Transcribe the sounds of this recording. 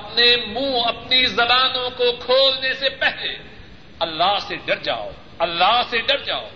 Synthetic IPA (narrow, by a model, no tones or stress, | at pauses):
ɐpnemũːɐpnizɐbaːnõkokʰoːlnesepɛɦle | ɐlːaːɦseɖɐɾd͡ʒa̰ːo̰ː | ɐlːaːɦseɖɐɾd͡ʒaːo̰ː